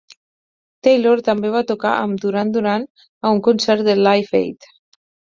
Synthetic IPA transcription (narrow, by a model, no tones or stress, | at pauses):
t̪ejloɾt̪ambeβat̪oka̰ʔamd̪uɾand̪uɾan | auŋkunsɛɾt̪̚d̪elajfḛjt̪